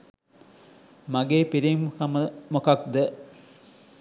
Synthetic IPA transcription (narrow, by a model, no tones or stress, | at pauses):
mɐɡeːpiɾimkɐmmokɐk̚d̪ə